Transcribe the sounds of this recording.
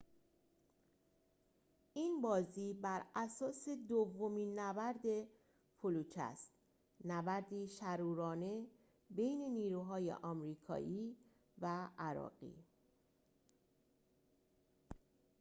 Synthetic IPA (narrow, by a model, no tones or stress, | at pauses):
ʔiːnbɒːziːbæɾæsɒːse̞d̪ovːo̞miːnːæbæɾd̪e̞ | pʰoluːt͡ʃʰæ̰st̪ | næbæɾd̪iːʃæɾuːɾɒːne̞ | be̞jne̞niːɾuːɦɒːjḛʔɒmɾiːkʰɒ̰ːʔiː | vææɾɒ̰ːɣ̥ḭː